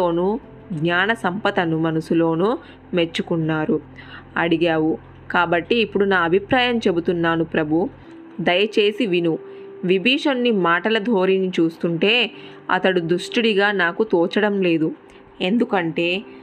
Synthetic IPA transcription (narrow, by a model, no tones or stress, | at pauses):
oːnu | ɡɲaːnɐsɐmpɐt̪ɐnumɐnusulo̞ːnu | me̞t͡ʃːukunːaːɾu | ɐɽiɡaːwu | kaːbɐʈːiːpːuɽunaːɐbʱipɾaːjɐmt͡ʃe̞but̪unːaːnupɾɐbʱu | d̪ɐjɐt͡ʃe̞ːsiʋinu | ʋibʱiːʂɐnːimaːʈɐlɐd̪ʱo̞ːɾinit͡ʃuːst̪uɳʈe̞ː | ɐ̰t̪ɐɽud̪uʂʈiɽiɡaːnaːkut̪ɔːt͡ʃɐɽɐmle̞ːd̪u | e̞nd̪ukɐɳʈe̞ː